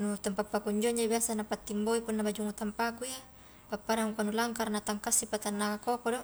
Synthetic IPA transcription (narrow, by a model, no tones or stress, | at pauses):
nut̪ampapːakuɲd͡ʒoɲd͡ʒabiasanapat̪ːimboipunːabad͡ʒuŋut̪ampakuja | papːadaŋukanulaŋkarnat̪aŋkasːipat̪anːaakokodɔ